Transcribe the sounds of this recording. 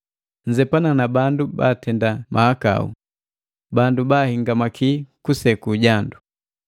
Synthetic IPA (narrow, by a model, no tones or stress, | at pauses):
ɲd͡ʒɛpananabanduba̰tɛndamʔahaka̰ṵ | bandubaːhiŋɡamakʰikusɛkuɟandu